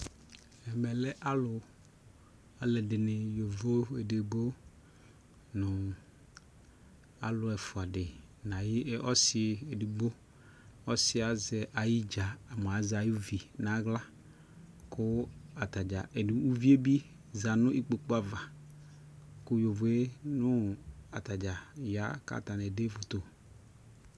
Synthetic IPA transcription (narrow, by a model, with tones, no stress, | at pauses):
ɛ˨mɛ˨lɛ˦ʔa˦lʊ˨ | a˦lɛ˨dɪ˨nɪ˨jo˨vo˦e˨de˨bo˦ | nʊ̃˨ | a̰˨lʊ˨ɛ˨fʊ˨a˨ɖɪ˨ | nã˨ji˦ʔɔ˦sɪ˨e˨di˨ɡ͡bo˦ | ɔ˦sɪ˨˦a˨zɛ˨ʔa˨ji˦d͡ʒa˨a˨m˨a˨za˨ju˦vi˨nã˨˦ɡla˦ | kʊ˦a˨t̪a˨d͡ʒa˨ʔe˨du˨u˦vi˦e˦bi˦ | za˨nʊ̃˦i˦k͡po˨k͡po˦a˨va˨ | kʊ˦jo˨vo˨e˦nʊ̃˦a̰˨t̪a˨d͡ʒa˨ja˦ka̰˦˨t̪a˨nɛ˨de˦vʊ˨t̪o˨